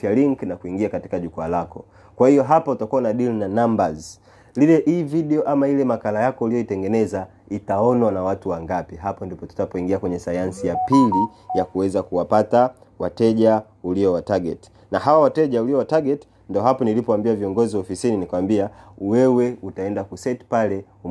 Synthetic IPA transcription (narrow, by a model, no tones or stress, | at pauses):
aliŋknakuiŋɡiakati̥kaʄukualakɔ | kwahijɔɦapautakuanaɗilinanambaz | lilɛʔiːviɗɛɔʔamailɛmakalajakɔulijɔitɛŋɡɛnɛza | itaɔnwanawatuwaŋɡapiɦapɔndipɔtu̥tapɔiŋɡiakwɛɲɛsajansijapili | jakuwɛzakuwapata | watɛʄa | uliɔwataɡɛ̰ti̥ | naɦawawatɛʄauliɔwataɡɛti̥ | ndɔɦapɔnilipɔwambiaviɔŋɡɔziwaɔfisininikawambiawɛwɛutaɛndakusɛti̥palɛ | u